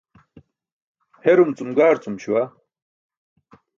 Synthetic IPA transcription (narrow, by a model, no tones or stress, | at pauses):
heɾumt͡sumɡaːɾt͡sʼumɕuwa